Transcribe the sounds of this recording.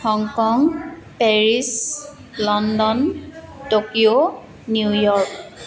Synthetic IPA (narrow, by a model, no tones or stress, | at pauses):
hɔŋkɔŋ | pɛɹis | lɔndɔntokioː | ujɔɹk̚